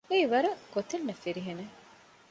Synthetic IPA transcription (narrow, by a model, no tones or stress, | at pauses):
eːʋɐɾuɡ̥ot̪ennɐfiɾiɦene